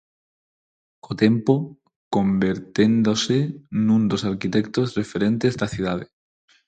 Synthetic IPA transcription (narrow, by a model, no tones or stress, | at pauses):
kʰot̪empo | kombeɾt̪end̪osenũnd̪osaɾkit̪ekt̪ozrefeɾẽnt̪ezðaθjuð̞að̞e